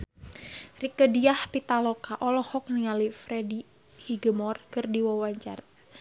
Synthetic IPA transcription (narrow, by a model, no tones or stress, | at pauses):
rikədiahpit̪alɔkaʔɔlɔhɔk̚niŋalifɾɛdi | hiɡəmɔrkɨrdiwawaɲt͡ʃa̰r